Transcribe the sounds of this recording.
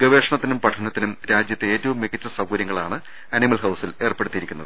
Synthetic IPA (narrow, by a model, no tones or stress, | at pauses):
ɡɐʋeːʂɐɳɐt̪ːinumpɐʈʰɐnɐt̪ːinumɾaːd͡ʑjɐt̪ːeeːtːɐʋumːikːɐtːɐsɐwɡɐɾjɐŋːɐɭaːɳɨ | ɐnimɐlɦɐwsile̞ːrpe̞ɽut̪ːijiɾikʲːunːɐðɨ